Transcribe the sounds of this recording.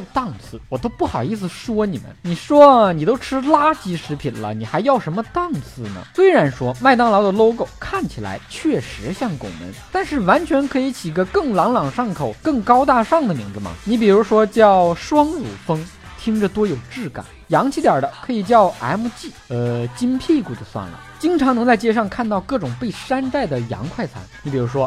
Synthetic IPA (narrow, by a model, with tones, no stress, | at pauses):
t̪ɑ˥˩ŋt͡sʰɹ̩˥˩wɔ˨˩t̪o˥ʊpu˥˩xɑ˨˩ʊi˥˩s̬ɹ̩˨˩ʂwɔ˥ni˨˩mə̰˦nni˨˩ʂwɔ˥˨ni˨˩t̪o˥ʊʈ͡ʂʰɻ̩˥la˥t͡ɕi˧˥ʂɻ̩˧˥pʰi˨˩nlə̰˦ni˨˩xa˧˥ɪjɑ˥˩ʊʂə˧˥nmə˧t̪ɑ˥˩ŋt͡sʰɹ̩˥˩nə̰˩swe˥ɪɻa˧˥nʂwɔ˥ma˥˩ɪt̪ɑ˥ŋlɑ˧˥ʊd̪ə˧lo˥ʊko˨˩ʊkʰa˥˩nt͡ɕʰi˨˩la̰˧˥ɪt͡ɕʰɥɛ˥˩ʂɻ̩˧˥ɕjɑ˥˩ŋkʊ̰˨˩ŋnə̰˧˥nt̪a˥˧nʂɻ̩˥˩wa˧˥nt͡ɕʰɥɛ˧˥nkʰɤ˧˥i˧˥t͡ɕʰi˨˩˥ɡə˧kɤ˥˩ŋlɑ˧˥ŋlɑ˨˩ŋʂɑ˥˩ŋkʰo˨˩ʊkɤ˥˩ŋkɑ˥ʊt̪a˥˧ʂɑ˥˩ŋd̪ə˩mḭ˧˥ŋd͡zɹ̩˧mɐ̰˩ni˧˥p̬i˨˩ɻu˧˥ʂwɔ˥t͡ɕjɑ˥˩ʊʂwɑ˥ŋzṵ˨˩fɤ˥ŋt̪ʰi˥ŋʈ͡ʂə˨t̪wɔ˥jo˨˩ʊʈ͡ʂɻ̩˥˩ka̰˨˩˦njɑ˧˥ŋt͡ɕʰi˧˥t̪jɐ˞˨˩d̪ə˦kʰɤ˧˥i˨˩t͡ɕjɑ˥˩ʊa˧˥ɪmu˧˥t͡ɕi˥˩ə˧t͡ɕi˥npʰi˥˩ku˨˩d̪ə˧˩swa̰˥˩nlə̰˩t͡ɕi˥ŋʈ͡ʂʰɑ˧˥ŋɤ˧˥ŋt͡sa˥˧ɪt͡ɕjɛ˥ʂɑ˥˧ŋkʰa˥˧nt̪ɑ˥˧ʊkɤ˥˩ʈ͡ʂʊ˨˩ŋpe˥˩ɪʂa˥nʈ͡ʂa˥˩ɪd̪ə˩jɑ̰˧˥ŋkʰwa˥˩ɪt͡sʰa̰˧˥nni˧˥pi˨˩ɻu˧˥ʂwɔ˥